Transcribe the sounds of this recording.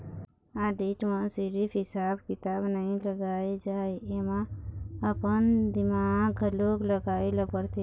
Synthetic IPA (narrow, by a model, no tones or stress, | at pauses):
aɖiʈmãsiɾipʰɦisabkit̪abnəĩləɡaed͡ʒaeemãəpənd̪imaɡloɡləɡaeləpəɾt̪e